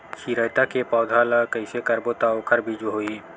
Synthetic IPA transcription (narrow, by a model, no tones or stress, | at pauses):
ʃiːɾəjt̪akepɔːd̪ʱaːləkɐɪsekɐɾbot̪aokʰəɾbʱid͡ʒɦoːiː